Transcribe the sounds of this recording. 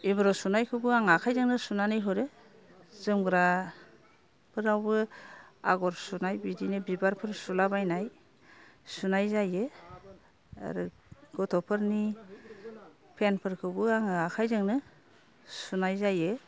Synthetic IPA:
ibɯɾɔsunajkʰɯbɯaŋakʰajzɯŋnɯsunanɯjɦɯɾɯ | z̥ɯmɡɾa | pʰɯɾawbɯa̰ɡɔɾsunajbidinɯbibaɾpʰɯɾsulabajnaj | sunajzajɯ | a̰ɾɯ | ɡ̥ɔtʰɔpʰɯɾni | pʰenpʰɯɾkʰɯbɯaŋɯakʰajzɯŋnɯ | sunajzajɯ

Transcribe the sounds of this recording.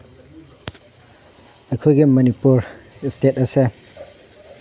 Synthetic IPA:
ɐkʰojɡimɐnipuɾstʰetɐse

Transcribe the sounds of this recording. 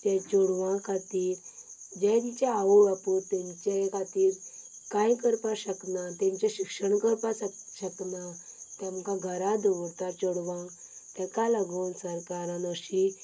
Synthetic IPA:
t̪jat͡ɕoɽʋãkʰat̪iːɾd͡ʑɛ̃t̪it͡ɕaaʋoʋapoɾt̪ɛ̃ɲt͡ɕakʰat̪iːɾkajkəɾpaɕəknat̪ẽɲt͡ɕaɕikʂəɳkəɾpasɕəknat̪ãmkãɡʱəɾad̪əʋt̪at͡ɕɔɽʋã | t̪ãkalaɡonsəɾkaɾãnəɕi

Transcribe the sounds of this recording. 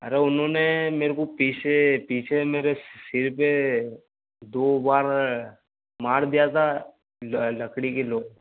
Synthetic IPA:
ɐ̰ɾeʊnɦõnemeːɾekopiːt͡ʃʰepiːt͡ʃʰemeːɾesɪɾpe | d̪oːbaːɾ | maːɾd̪ijat̪ʰa | lɐkɽikeloːɡ̚

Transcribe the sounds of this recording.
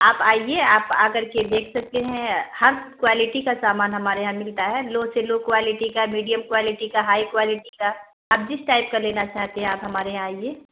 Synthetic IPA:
aːpaːieaːpaːkəɾked̪eːkʰsɐk̚t̪eɦɛ̃hɐɾkwaːlɪʈikasaːmaːnɦɐmaːɾeɦãmɪlt̪aɦɛːloːɡseloːɡ̚kwaːlɪʈikamiːɖijəmkwaːlɪʈikaɦaːikwaːlɪʈika | aːp̚d͡ʒɪsʈaːɪp̚kaleːnat͡ʃaːɦt̪eɦɛ̃aːpɦɐmaːɾeɦãaːieː

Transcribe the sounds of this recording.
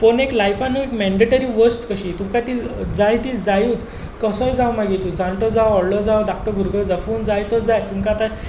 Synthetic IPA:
foneklajfanːuekmɛɳɖeʈəɾiːʋəsʈkəɕiːt̪umkat̪id͡zajt̪id͡zajuːt̪ | kəsəjd͡zawmaɡit̪ud͡zʱãɳʈɔd͡zawɔɽlɔd͡zawɖak̚ʈəɾbʱuɾɡʱəd͡zafond͡zajt̪əd͡zajt̪umkaːt̪a

